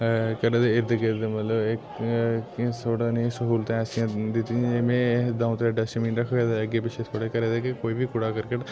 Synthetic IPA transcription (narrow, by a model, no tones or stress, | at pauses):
kəɾeːd̪eːɪɾd̪ɪked̪emɐt̪ləbek | sʰoːɽanẽsəɦuːlt̪ẽːɛːsijãd̪ɪt̪ĩemẽːd̪ãːũt̪eɖɐʃmiːnɾəkʰʋeːd̪eəɡeːpɪt͡ʃʰet̪ʰoːɽekəɾed̪eːkekoːiːbʱikʊɽaːkəɾkeʈ